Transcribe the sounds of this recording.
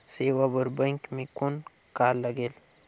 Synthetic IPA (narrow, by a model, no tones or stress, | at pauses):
sewabəɾbɐŋkʲmikun | kaːlɐɡel